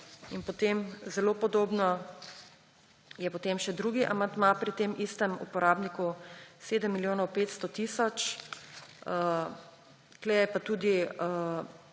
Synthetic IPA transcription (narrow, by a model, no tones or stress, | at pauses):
inpɔt̪emzɛloːpɔd̪oːbnɔ | jɛpɔt̪emʃɛd̪ɾuːɡiʔamand̪mapɾit̪emʔist̪ɛmṵpɔɾaːbnikuseːd̪əmːiljoːnɔwpeːt̪st̪ot̪iːsɔt͡ʃ | ə | klɛɛpat̪uːd̪i